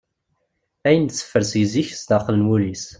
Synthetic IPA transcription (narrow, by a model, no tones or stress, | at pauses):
æjənsːə̥fːəɾsijziçst̪əχələnwulis